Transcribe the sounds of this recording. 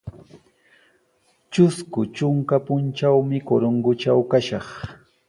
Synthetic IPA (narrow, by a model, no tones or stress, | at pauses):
t͡ʃʊskʊt͡ʃʊŋkapʊnt͡ʃawmɪkoɾoŋɡʊt͡ʃawkaʃɑχ